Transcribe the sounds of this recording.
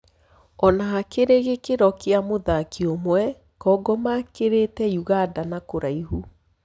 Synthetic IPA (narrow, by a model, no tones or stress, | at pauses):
ɔnaɦakeɾeɣekeɾɔkeamoðakiomwɛ | kɔɡɔmakeɾetɛjuɣadanakoɾaiɦu